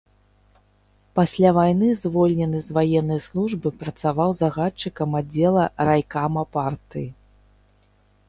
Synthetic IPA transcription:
pasʲlʲavajnɨzvɔlʲnʲɛnɨzvajɛnːɐjslˠuʐbɨpɾɐt̪savawzaɣat͡ʂːɨkɐmad͡zʲɛlˠɐɾajkamɐpart̪ɨji

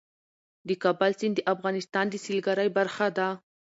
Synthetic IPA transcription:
d̪əkɑbalsɪnd̪əʔafɣɑnɪst̪ɑnd̪əsilɡaɾajbaɾxad̪a

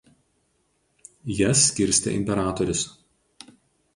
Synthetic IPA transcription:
jɛsʲːkʲɪɾʲsʲt̪ʲḛʔɪ̰mʲpʲɛɾɑːt̪ɔɾʲʊs

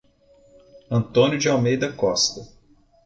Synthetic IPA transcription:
ɐ̃nt̪õnjʊd͡ʒɪawmejd̪ɐkɔst̪ɐ

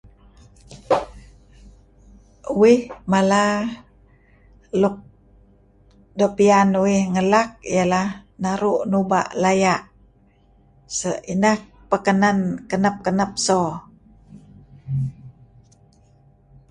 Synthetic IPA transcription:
uɪhmala | luk̚ | dopianuwihŋəlak̚ijalahnaɾuʔnuba̰ʔlajaʔ | səʔinah | pəkənankənəp̚kənəp̚sɔ

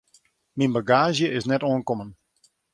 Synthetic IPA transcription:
minbaɡaːʒjəʔɪsnɛtoənkomən

